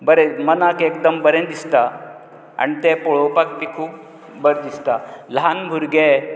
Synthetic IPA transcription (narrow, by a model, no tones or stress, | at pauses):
bəɾemənakek̚d̪əmbəɾẽd̪ist̪a | a̰ñit̪epɔɭowpak̚pikʰuːp̚ | bəɾd̪ist̪alɦanbʱuɾɡe